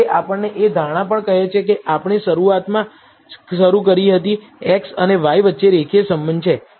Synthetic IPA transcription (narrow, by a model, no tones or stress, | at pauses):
eʔapəɳneʔed̪ʱaɽ̃ãpəɳkəɦet͡ʃʰekeʔapɳ̃eʃəɾuat̪mã | ʃəɾukəɾiɦət̪i | eksəneʋajʋətːʃeɾekʰiesəmbənd̪t͡ʃʰe